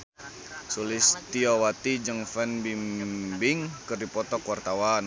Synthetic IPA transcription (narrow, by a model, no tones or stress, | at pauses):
sulɪst̪iowat̪id͡ʒəŋfɛnbimbɪŋkɨrdipɔt̪ɔkwart̪awan